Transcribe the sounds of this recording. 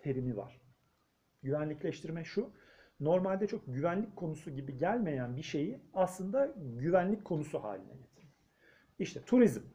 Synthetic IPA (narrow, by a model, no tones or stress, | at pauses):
t̪ʰe̞ɾimiva̰ɾ̥ | ɟyvænlʲiclʲɛʃt̪ʰiɾmɛʃu | no̞ɾmalʲd̪ɛt͡ʃʰo̞k̚ɟyvænlʲic̚kʰo̞nusuɟibiɟælʲme̞jænbiʃe̞jiaslˠɯnd̪aɟyvænlʲic̚kʰo̞nusuha̰ːlʲinɛ̰ɟet̪ʰi̥ɾ | iʃt̪ʰɛt̪ʰuɾizm